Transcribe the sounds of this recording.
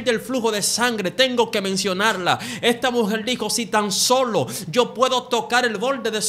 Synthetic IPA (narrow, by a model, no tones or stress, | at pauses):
d̪e̞lfluxo̞ðe̞saŋɡɾe̞t̪e̞ŋɡo̞ke̞mensjo̞naɾlae̞st̪amuxeld̪ixo̞sit̪anso̞lo̞d͡ʒo̞pwe̞ðo̞t̪o̞kaɾe̞lβo̞ld̪e̞ðes